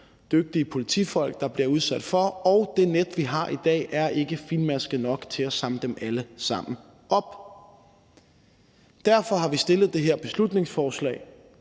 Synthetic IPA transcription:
d̥øɡ̥̚d̥iəpʰo̝lit͡sʰḭːfɒ̽l̰ɡ̥̚d̥ɑ̈b̥liɐuð̞ˠsæd̥fɒ̽ɒʊd̥e̝ned̥ʋiɦɑ̈ʔid̥ɛ̰ːʔæɐʔe̝ɡ̥əfinmæsɡ̥əðnɒ̽ɡ̥t͡sʰe̝læsɑ̈mləd̥emæləsɑ̈m̰n̩ | ʔɒ̽b̥ | d̥æɐfɒ̽ɦɑ̈ʋisd̥e̝lð̩ˠd̥e̝ɦeɐ̰b̥e̝slud̥ne̝ŋsfɒːslɛ̰ːɪ

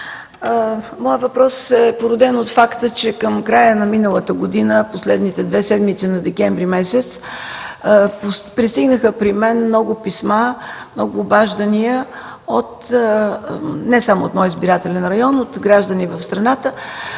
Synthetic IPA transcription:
mɔjəvɐpɾɔsɛpoɾʊd̪ɛnot̪fakt̪ət͡ʃɛkəmkɾajənɐminəlˠət̪əɡod̪inəposlɛd̪nit̪ɛd̪vɛsɛd̪mit̪sinɐd̪ɛkʲɛɱvɾimɛsɛt̪s | ppɾist̪iɡnəxəpɾimɛnmnɔɡʊpismamnɔɡʊːbaʒd̪əniə | ot̪ | nɛsamoot̪mɔjizbiɾat̪ɛlɛnɾɐjɔnot̪ɡɾaʒd̪ənivəfst̪ɾɐnat̪ə

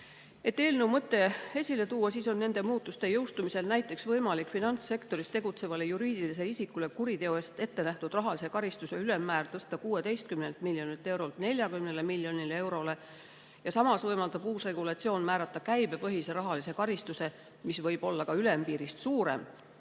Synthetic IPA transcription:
e̞t̪ːeːlnewmɤt̪ːˑe̞e̞sʲile̞t̪uːɑsiːso̞nːe̞nd̪̥e̞muːt̪ːˑust̪e̞jɤwst̪umise̞lnæjt̪ːˑe̞ksvɤjmɑlikfinɑnt̪sːe̞kt̪o̞ɾist̪e̞ɡ̥ut̪se̞vɑlejuɾiːd̪̥ilis̬e̞isikːˑule̞kuɾit̪e̞oest̪e̞t̪ːe̞næht̪ud̪̥rɑɦɑlise̞kɑɾist̪use̞yle̞mːæːrt̪ɤst̪ɑkuːe̞t̪e̞jst̪̚kymnent̪miljo̞nit̪ːˑe̞wɾo̞lt̪ne̞lʲjɑkymnelemiljo̞nilee̞wɾo̞le̞ | jɑsɑmɑsvɤjmɑld̪ɑb̥uːsre̞ɡ̥ulɑt̪sio̞ːnmæːɾɑt̪ˑːɑkæjbe̞pɤɦise̞ɾɑɦɑlise̞kɑɾist̪use̞ | misvɤjb̥o̞lːɑkɑyle̞mpiːɾist̪suːɾe̞̰m

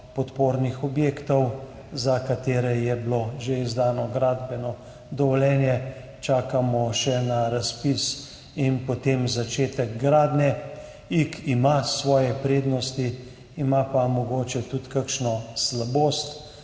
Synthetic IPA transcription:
pɔt̪poːɾnixɔbjeːkt̪ɔw | zakat̪eːɾɛjɛbloʒeizd̪aːnɔɡɾaːd̪bɛnɔ | d̪ɔʋɔlɛːnjɛ | t͡ʃaːkamɔʃɛnaɾaspis | inpot̪emzat͡ʃeːt̪ɛɡɡɾaːd̪nɛ | ikimasʋɔːjɛpɾeːd̪nɔst̪i | imapamɔɡoːt͡ʃɛt̪ut̪kakʃnɔslaboːst̪

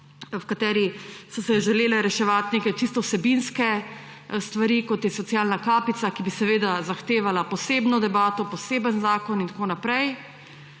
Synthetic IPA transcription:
wkat̪ɛːɾisɔsɛʒɛleːlɛɾɛʃɛʋat̪nekɛt͡ʃist̪ɔwsɛbinskɛ | st̪ʋaɾikɔt̪jɛsɔt̪siaːlnakaːpit̪sakibisɛʋeːd̪azaxt̪eːʋalapɔseːbnɔd̪ɛbaːt̪ɔpɔseːbənzaːkɔnint̪akoːnapɾɛj

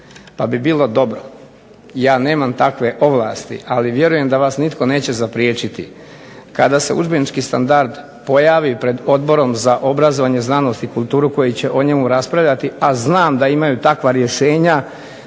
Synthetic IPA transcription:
pabibiːlˠo̞d̪o̞bɾo̞ | jaːne̞ːmamt̪akʋe̞ʔo̞ʋlˠaːst̪ḭʔaliʋje̞ɾuje̞md̪aʋaːsnit̪ko̞ne̞ːt͡ɕe̞zapɾjeːt͡ʃit̪ḭ | kad̪ase̞ṵd͡ʒbenit͡ʃkist̪a̰nd̪aɾd̪ | po̞jaːʋipɾe̞d̪o̞d̪bo̞ɾo̞mzaʔo̞bɾazoʋaɲe̞znaːno̞st̪ikulˠt̪uːɾuko̞jit͡ɕe̞ʔo̞ɲe̞muɾaspɾaʋʎʲat̪iaznaːmd̪aimajut̪akʋaɾje̞ʃe̞ːɲa

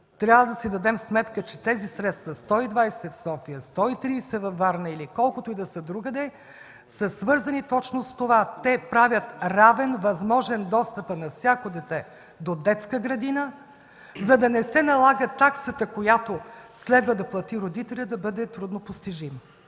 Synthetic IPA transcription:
t̪ɾʲavəd̪ɐsid̪ɐd̪ɛmsmɛt̪kət͡ʃɛt̪ɛzisɾɛt̪st̪vɐst̪ɔid̪vajsɛfsɔfijəst̪ɔit̪ɾiːsɛvɐfːaɾnəilikɔlˠkot̪oid̪ɐsəd̪ɾuɡəd̪ɛ | səsvɤɾzɐnit̪ɔt͡ʃnost̪ovat̪ɛpɾavʲjət̪ɾavɛnvɐzmɔʒɛnd̪ɔst̪əpənɐfsʲjakod̪ɛt̪ɛ | d̪od̪ɛt̪skəɡɾɐd̪inə | zɐd̪ɐnɛsɛnɐlˠaɡət̪aksət̪əkojat̪oslɛd̪vəd̪ɐplˠɐt̪iɾod̪it̪ɛlʲəd̪ɐbɤd̪ɛt̪ɾud̪nopost̪iʒim

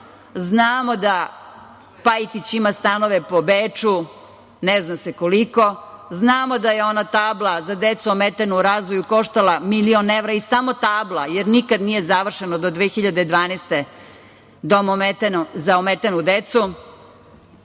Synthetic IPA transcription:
znaːmo̞d̪a | pajt̪it͡ɕimast̪ano̞ʋepobeːt͡ʂu | neznasekoliko̞znaːmo̞d̪ajeo̞nat̪aːblˠazad̪et̪suomet̪enuuɾaːzʋojuko̞ʃt̪alˠamilioneʋɾaisamo̞t̪aːblˠajeɾnikad̪nijezaʋr̩ʃenod̪od̪ʋeːxiʎad̪ed̪ʋaːnest̪e | d̪amomet̪nzaomet̪enud̪et̪su

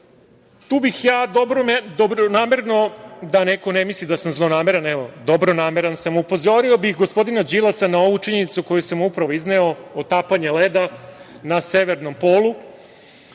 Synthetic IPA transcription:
t̪uːbixjaːd̪obɾomd̪obɾonaːme̞ɾno̞d̪aneko̞nemislid̪asamzlˠonaːmeɾanɛʋod̪obɾonaːmeɾansamupo̞zo̞ɾio̞bixɡospo̞d̪inad͡ʑilˠasanao̞ʋut͡ʃiɲenit̪suko̞jusamupɾaʋoizneoot̪apaɲeled̪a | naseʋeɾno̞mpoːlˠu

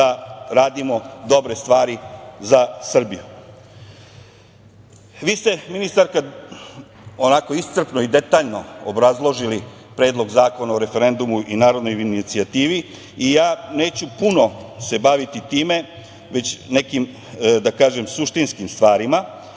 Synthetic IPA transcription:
aɾaːd̪imo̞d̪o̞bɾe̞st̪ʋaːɾizasr̩biju | ʋiːst̪e̞minist̪aɾka | onako̞ist̪sr̩pnoid̪e̞t̪aːʎno̞obɾazlˠo̞ʒili | pɾe̞ːd̪lˠo̞ɡzaːko̞naoɾe̞fe̞ɾe̞nd̪umuʔinaːɾo̞d̪no̞jinit̪siat̪iːʋi | ijaːne̞ːt͡ɕupuno̞se̞baʋit̪it̪iːme̞ | ʋe̞t͡ɕne̞kim | d̪akaːʒemsuʃt̪inskimst̪ʋaːɾima

